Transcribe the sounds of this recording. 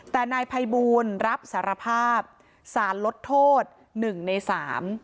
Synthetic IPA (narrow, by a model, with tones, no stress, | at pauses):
t̪ɛː˨˩naː˧jpʰa˧jbuː˧nɾa˦˥p̚saː˩˦ɾa˧pʰaː˥˩p̚ | saː˩˦nlo˦˥t̪ʰːoː˥˩t̪̚ | nɯ˨˩ŋna˧jsaː˩˦m